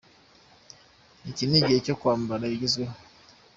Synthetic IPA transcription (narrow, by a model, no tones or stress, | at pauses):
iciniɟihecokwaːmbaɾaiɟizɡweho